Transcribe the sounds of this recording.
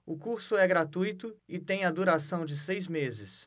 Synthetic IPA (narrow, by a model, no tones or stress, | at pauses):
ʊkuɾsʊɛɡɾat̪ujt̪ʊɪt̪ẽj̃ɐd̪uɾasɐ̃w̃d͡ʒɪsejzmezɪs